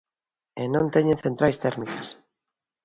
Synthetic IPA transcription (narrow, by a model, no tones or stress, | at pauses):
enõnt̪eɲẽnθent̪ɾajst̪ɛɾmikas